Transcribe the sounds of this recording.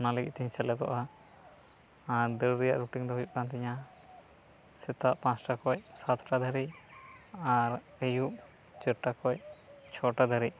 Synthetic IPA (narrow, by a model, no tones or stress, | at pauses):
nalɛɡiʔ̚t̪iɲsɛlɛd̪ɔ̰ʔa | ad̪əɾɾijaʔɾuʈiŋd̪ɔɦujuʔ̚kant̪ɛɲa | sɛt̪aʔpãt͡ʃʈakɔcsat̪ʰʈad̪ʱəɾi | aɾ | əjuʔ | t͡ʃəʈakɔct͡ʃʰɔʈad̪ʱəɾiʔ